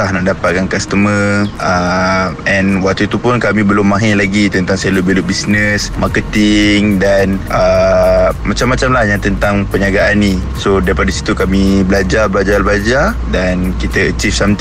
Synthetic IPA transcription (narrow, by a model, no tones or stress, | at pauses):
ahnaʔdapat̪̚kankast̪əməə | ɛnwak̚t̪uit̪upʊnkamĩbəlʊmːãɦelaɡit̪ənt̪aŋseluʔbiluʔbisnəsmakət̪iŋdanʔə | mat͡ʃamːat͡ʃamlahɲãt̪ənt̪aŋpəɲaɡaʔːni | sodaɾipadasi̥t̪ukamibəlad͡ʒarbəlad͡ʒarblad͡ʒar | dankit̪əət͡ʃifsamt̪